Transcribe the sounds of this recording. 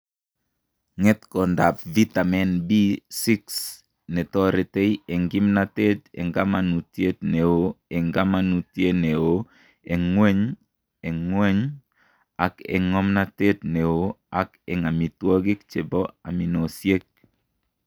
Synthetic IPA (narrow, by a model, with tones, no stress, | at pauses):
ŋɛ˦tkɔ˨nda˨pvi˦ta˨mɛ˨nbi˦si˦ks | nɛ˨tɔ˦ɾe˨te˦ie˨ŋɡi˦mna˦te˦tɛ̰˨ŋɡa˦ma˨nu˨tje˦tne˨o˨e˨ŋɡa˦ma˦nu˨tje˦ne˨o˦ | e˨ŋwɛ˦ɲ | e˨ŋwɛ˦ɲ | a˨kɛ̰˨ŋɔ˦mna˦te˦t̚ne˨o˦a˨kɛ̰˨ŋa˨mi˨twɔ˦ɡi˦k̚t͡ʃe˨bɔ˦a̰˨mi˨no˨sje˦k̚